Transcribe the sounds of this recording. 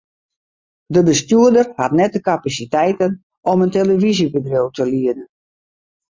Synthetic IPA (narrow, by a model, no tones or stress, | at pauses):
dəbəstjyədərhatnɛt̚dəkapasitɛjtən | ɔmənteləvizibədrowtʰəliədən